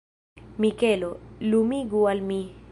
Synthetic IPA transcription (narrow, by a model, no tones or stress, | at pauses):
mikelolumiɡualmi